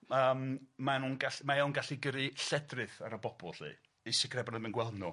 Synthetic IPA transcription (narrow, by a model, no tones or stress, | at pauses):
əːmmanunɡaɬmajawnɡaɬiɡəɾɨɬɛdrɨθaɾəbɔb̥ɔ̰lˠɬḭ | isɛkʰrɛbanəmɪnɡwɛlˠmnu